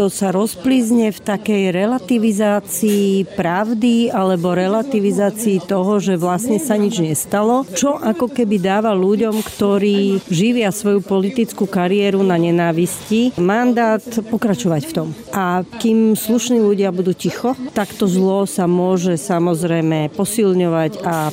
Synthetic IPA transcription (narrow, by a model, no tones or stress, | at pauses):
ɔsaɾɔspliːzɲɛft̪akɛjɾɛlat̪iʋizaːt͡siːpɾaʊd̪ialɛbɔɾɛlat̪iʋizaːt͡siːt̪ɔɦɔʒɛʋlasɲɛsaɲid͡ʒɲɛst̪alɔt͡ʃɔʔakɔkɛbid̪aːʋaluɟɔmkt̪ɔɾiːʒiʋɪasʋɔjupɔlit̪it͡skukaɾiɛːɾunaɲɛnaːʋiscimand̪aːt̪pɔkɾat͡ʃɔʋacft̪ɔmʔakimsluʃniːluɟɪabud̪uːcixɔt̪akt̪ɔzlɔsamʊɔʒɛsamɔzɾɛjmɛpɔsilɲɔʋaca